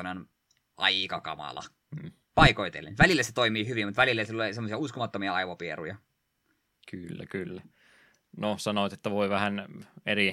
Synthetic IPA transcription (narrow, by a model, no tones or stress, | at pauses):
ɑnon | ʔɑikɑkɑ̰mɑ̰lɑ̰ | pɑikoit̪ḛlːḛnʋælilːæset̪oimiːhyʋimut̪ʋælilːæsilːolisemːosiɑuskomɑt̪ːomiɑɑiʋopierujɑ | kylːæ̰kylːæ | nosɑnot̪et̪ːæʋoiʋæhæneri